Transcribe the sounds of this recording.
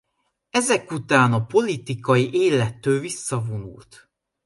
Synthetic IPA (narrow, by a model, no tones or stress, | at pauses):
ɛzɛkut̪aːnɒpo̞lit̪ikɒjiʔeːlɛt̪ːøːlvisːɒvonṵlt̪